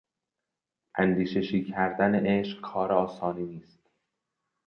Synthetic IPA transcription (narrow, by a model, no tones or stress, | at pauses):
ʔænd̪iːʃeʃiːcʰæɾd̪æneʔeʃqkʰɒːɾeɒːsɒːniːniːst̪